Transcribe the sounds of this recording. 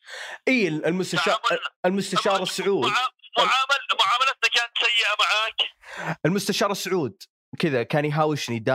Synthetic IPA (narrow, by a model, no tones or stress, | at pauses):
ʔiːɪlɪlmʊst̪aʃɑːɪlmʊst̪aʃɑːɾˤɑsːʊʕuːd̪ʕaːmalmʊʕaːmalant̪akaːnt̪sajːɪʔamaʕaːkʔɪlmʊst̪aʃɑːɾˤɑsːʊʕuːd̪̚ | kɪðakaːnjɦaːwɪʃnid̪a